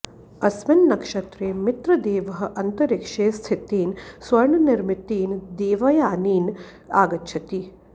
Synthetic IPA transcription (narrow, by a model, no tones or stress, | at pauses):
ɐsmɐnːɐkʂɐt̪ɾeːmɪt̪ɾɐd̪eːʋɐɦɐ̆ʔɐnt̪ɐɾikʂeːst̪ʰit̪iːnsʋɐɾɳɐniɾmit̪iːnd̪eːʋɐjaːniːn | a̰ːɡɐtːʃʰɐt̪i